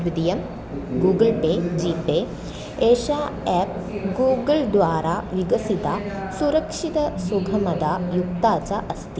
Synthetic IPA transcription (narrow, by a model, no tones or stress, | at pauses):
ʋid̪ijɐm | ɡuːɡəlpeːd͡ʒiːp̪e | eːʃaːɛːp̚ɡuːɡəlɖ̪ʋaːɾaːʋiɡɐsit̪aːsuɾɐkʂit̪ɐsuɡʱɐmɐd̪aːjukt̪aːt͡saʔɐst̪i